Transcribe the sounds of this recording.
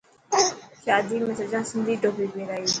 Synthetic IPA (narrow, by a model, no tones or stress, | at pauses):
ʃaːd̪ʱiːmẽːsəd͡ʒãːsɪnd̪ʱiːɖoːpiːbeːɾaːiː